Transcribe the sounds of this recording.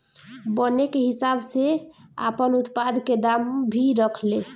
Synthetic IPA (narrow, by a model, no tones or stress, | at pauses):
bənekeɦisabsea̰pənut̪pad̪ʱked̪ambʱiɾəkʰle